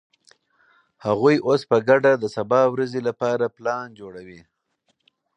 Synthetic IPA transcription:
haɣujʔospəɡaɖad̪əsabɑwɾazelapɑɾaplɑnd͡ʒoɽawi

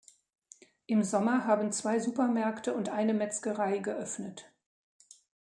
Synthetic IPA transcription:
ʔɪmzɔmɐɦaːbn̩t͡sv̥aɪzuːpɐmɛɐktəʊntʔaɪnəmɛt͡skəʁaɪɡəʔœfnət

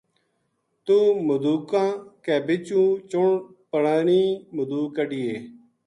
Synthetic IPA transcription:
t̪uːmʊd̪uːkãːkeːbɪt͡ʃũːt͡ʃʊɳpəɳaːɳiːmʊd̪uːkəɖijeː

